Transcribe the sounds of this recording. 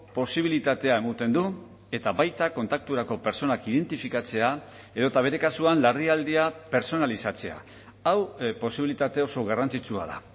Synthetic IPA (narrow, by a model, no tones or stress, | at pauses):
po̞siβ̞ilit̪at̪e̞ae̞mut̪e̞nd̪u | e̞t̪aβajt̪ako̞nt̪ak̚t̪uɾako̞pe̞ɾt͡so̞nakiðe̞nt̪ifikat͡se̞a | e̞ðo̞et̪aβ̞e̞ɾe̞kasuanlariald̪iape̞ɾso̞nalisat͡se̞a̰ | awpo̞siβilit̪at̪e̞o̞so̞ɣarant͡sit͡sua̰ð̞a̰